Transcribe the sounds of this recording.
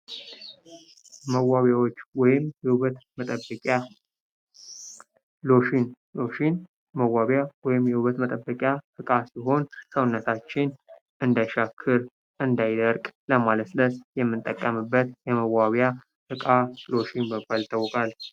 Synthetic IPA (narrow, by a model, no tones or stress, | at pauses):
məwːaβjawot͡ʃːwɔjɪmjɛhuβət̪mət̪ʼəbəkʼa | loʃin | oʃin | məwaβjawɔjɪmjɛhuβət̪mət̪ʼəbːəkʼjafɨkʼasiɦo̞nsəwnːət̪ʰat͡ʃːɪn | ʔɨnd̪ajʃakʰːɨɾ | ʔɨnd̪ajɪd̪əɾkʼləmalət̪ləsjɛmːɨnt̪ʼːəkʼːəmɨbːət̪jɛməwaβja | ʔɨkʼalo̞ʃinbəbːalt̪ʰːəwːɔkʼal